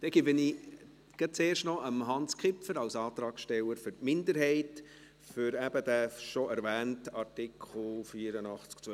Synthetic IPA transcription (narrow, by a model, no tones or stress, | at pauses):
d̥̪ɛɡibəni | ɡ̥ɛt͡seːrʃtnɔʔəmɦɑnskχɪpfəɾɑwsɑːt̪ɾɑːksʃtɛwəɾfʏɾtmɪndəɾɦɛɪt | fʏɾæb̥əd̪æfʃɔɛɾvæːntɑɾtɪkʰχl̩fiːɾənɑχt͡skt͡sœ